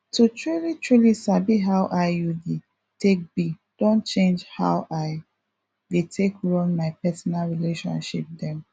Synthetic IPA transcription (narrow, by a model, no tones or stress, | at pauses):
tutʰɹulitɹulisabiɦaʊʔaɪjude | tek̚bi | d̥õnt͡ʃẽnd͡ʒha̰ʊʔaɪ | detʰekɹɔ̃nmaɪpɛsɔnalɹileʃɔ̰̃nʃḭp̚dɛ̃m